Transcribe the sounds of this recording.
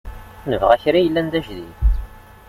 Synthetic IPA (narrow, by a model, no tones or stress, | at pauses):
nəvʁæçɾajəlːænd̪æʒðḭθ